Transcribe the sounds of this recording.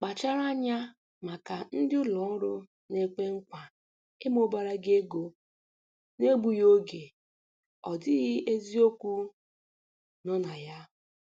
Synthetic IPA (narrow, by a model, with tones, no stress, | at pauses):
k͡pa˨t͡ʃa˦ɾa˦ɲa˦ | ma˨ka˨n̩˦dɪ˦ʊ˦lɔ˨˦ɾʊ˦ | ne˦k͡pe˦ŋ̩˦kʷa˨ | e˦mo˦ba˨ɾa˦ɡe˦ɡo˦ | ne˦ɡ͡bu˨jo˦ɡe˨ | ɔ˨dɪ˦ɣɪ˦e˦zi˦o˦kʷu˦ | nɔ˦na˨ja˦